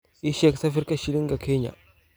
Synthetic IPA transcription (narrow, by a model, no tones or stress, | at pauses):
iʃeksafiɾkaʃiliŋɡakʰeɲa̰